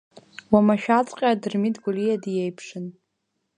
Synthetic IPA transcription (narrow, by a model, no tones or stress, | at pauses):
wamaʃᶣat͡sʼqʲʼaadɨrmidɡʷulijadjejpʰʂɨn